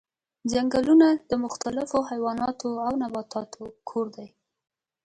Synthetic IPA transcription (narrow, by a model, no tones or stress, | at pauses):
d͡ʒaŋɡalunad̪̥əmʊxt̪alɪfoɦajwɑnɑt̪oawnabɑt̪ʰɑt̪ʰokʰoɾd̪aj